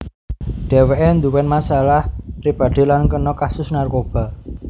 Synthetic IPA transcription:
ɖ̥ɛ̤weʔend̪uwɛnmasalahpɾib̥a̤d̪̥e̤lankənɔkasʊsnarkob̥a̤

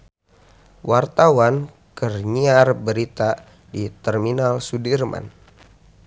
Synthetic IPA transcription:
wart̪awan | kərɲiarbəɾit̪a | dit̪ɛrminalsudirma̰n

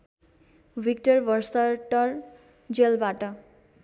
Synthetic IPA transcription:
bik̚ʈʌrbʌrsʌʈʌr | d͡zelbaʈʌ

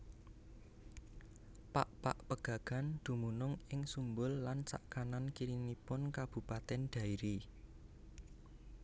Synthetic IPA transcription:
paʔpaʔpəɡ̥ä̤ɡ̥a̤nd̪̥ṳmunʊŋɪŋsumbʊlːant͡ʃa̰ʔkanankiɾinipʊnkab̥ṳpat̪ɛnɖ̪̥a̤iɾi

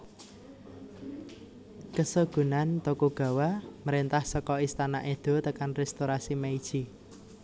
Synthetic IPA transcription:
kəsoɡ̥ṳnant̪okoɡ̥ä̤waməɾent̪ahsɔkɔist̪ana̰ʔed̪̥o̤t̪əkanrɛst̪oɾasimeid̥ʒ̥i

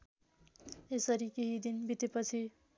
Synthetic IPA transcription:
esʌɾikeɦid̪inbʱit̪epʌt͡sʰi

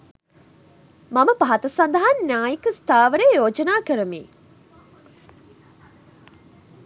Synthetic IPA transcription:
maməpaɦat̪ɐsand̪ɐɦannʲjaːjikəst̪aːʋəɾejoːd͡ʒənaːkəɾəmḭː

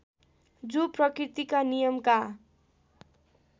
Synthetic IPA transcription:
d͡zuprʌkrit̪ikanijʌmka

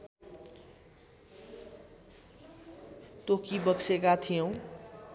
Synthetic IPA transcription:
t̪okibʌksekat̪ʰijõw̃

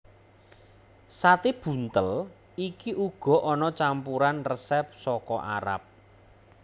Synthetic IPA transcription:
sat̪eb̥ṳnt̪əl | ikiʔuɡ̥ɔ̤ʔɔnɔt͡ʃampuɾanrəsɛp̚sɔkɔʔa̰ɾa̰p̚

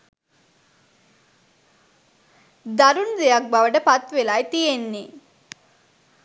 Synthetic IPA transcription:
d̪aɾund̪ejak̚baʋəʈəpat̪ʋelajt̪ijenːe

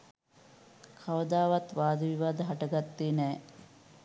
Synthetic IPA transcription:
kʰɐʋɐd̪aːʋɐt̪ʋaːd̪ʱɐʋiʋaːd̪ɐɦɐʈɐɡɐt̪ːiːnɛː

